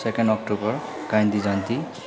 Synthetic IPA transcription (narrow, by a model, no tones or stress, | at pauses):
sekenɖɔk̚ʈubʌɹ | kajnd̪izant̪i